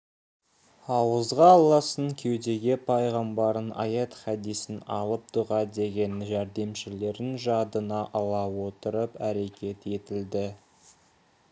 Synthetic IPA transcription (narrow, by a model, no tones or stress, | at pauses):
ɑwəzʁɑːlˠɑsəŋkʲʰe̞wd̪e̞ɡʲe̞pʰɑjʁɑmbɑɾənʔɑ̰jɑt̪χæd̪ijsɪnɑ̰lˠəp̚d̪uʁɑd̪e̞ɡʲe̞nʒæɾd̪e̞mʃɪle̞ɾɪnʒɑd̪ənɑʔɑlˠɑwo̞t̪əɾəpæɾe̞kʲʰe̞t̪e̞t̪ɪld̪ɪ